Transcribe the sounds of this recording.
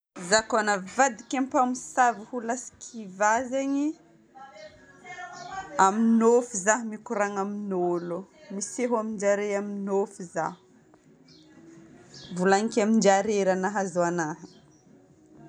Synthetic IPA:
zakanəvad̪ikʲampamisavihulasi̥kʰivazeɲi | aminofizaɦmikuɾaŋaminolumiseɦamind͡ʒaɾejaminofiza̰hu̥ | vulanikamind͡ʒaɾeɾanaɦazoanaɦi

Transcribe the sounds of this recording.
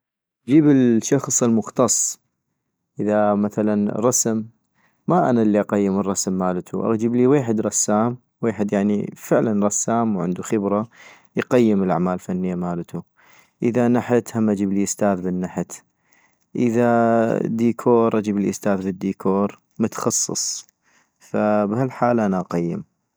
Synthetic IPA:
ʔʔd͡ʒiːbəlʃɑxsˤəlmʊxt̪ɑsˤː | ʔəðamaθalanɾˤɑsmː | aʔa̰nalːiʔɑqajːɪmərˤːɑsmːaːlt̪ʰṵʔa̰ɣd͡ʒibliweːħɪd̪ɾˤɑsːaːm | weːħɪd̪jaʕnḭfɪʕlanɾˤɑsːaːmwʕɪ̰nd̪uxɪbɾˤɑ | jqajːəməlʔa̰ʕmaːllfanːɪjːamaːlt̪u | ʔəðanaħɪt̪hamːʔad͡ʒəbliʔɪst̪aːðbɪnːaħət̪ | ʔəðad̪iːkʰoːɾˤʔad͡ʒəbliʔst̪aːðbəd̪ːiːkʰoːɾˤ | mʊt̪xɑsˤːɨ̰sˤ | fabhalħaːlʔanaʔɑqajːɪ̰m

